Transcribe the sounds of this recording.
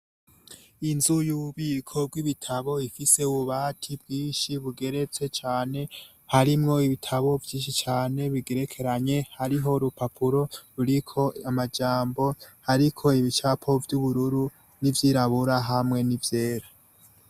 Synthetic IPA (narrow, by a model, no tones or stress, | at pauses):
inzujuuβiːkʰo̞b̚ɡwiβitʰaβo̞ifise̞uβuβaːtʰibɡiːnʃiβuɡe̞ɾe̞t͡se̞t͡ʃaːne̞ | haɾimŋo̞iβitʰaβo̞vjiːnʃit͡ʃaːne̞βiɡe̞ɾe̞kʰe̞ɾaɲe̞haɾiɦo̞ɾupapʰuɾo̞ɾuɾikʰo̞amad͡ʒaːmbo̞haɾikʰo̞iβit͡ʃapʰo̞vjuβuɾuɾu | nivjiːɾaβuɾaɦamŋe̞nivje̞ːɾa